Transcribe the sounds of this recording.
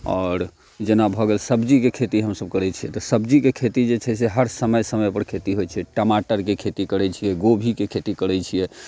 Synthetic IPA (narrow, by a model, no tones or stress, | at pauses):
ɔ̰ːɾ | d͡ʒenabʱɔɡelsəbd͡ʒikekʰet̪iɦəmsəb̚kəɾɛt͡ʃʰijɛt̪ɔsəbd͡ʒikekʰet̪id͡ʒet͡ʃʰɛseɦəɾsəməjsəməpəɾkʰet̪iɦojt͡ʃʰɛʈəmaʈəɾkekʰet̪ikəɽɛt͡ʃʰijɛɡobʱikekʰet̪ikəɽɛt͡ʃʰijɛ